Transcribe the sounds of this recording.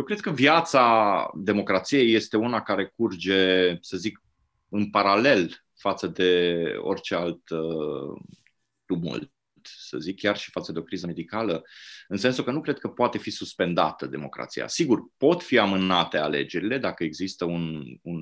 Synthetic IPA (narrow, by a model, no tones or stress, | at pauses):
jewkɾe̞d̪̚kəvjat̪sad̪e̞mo̞kɾat̪sije̞je̞st̪e̞unakaɾe̞kurd͡ʒe̞səzik | ɨnpaɾale̞l | fat̪səd̪e̞o̰rʲt͡ʃe̞alt̪ | t̪umṵl | t̪sə̰zikʰːʲjarʃi̥fat̪səd̪eo̞kɾizəme̞d̪ikaləɨnse̞nsukənukɾe̞d̪̚kəpoat̪e̞fisuspe̞nd̪a̰t̪əd̪e̞mo̞̰kɾa̰t̪sḭja̰siɡurpo̞t̪fiamɨnat̪e̞a̰le̞̰d͡ʒe̞ɾile̞d̪akəe̞ɡzist̪əunun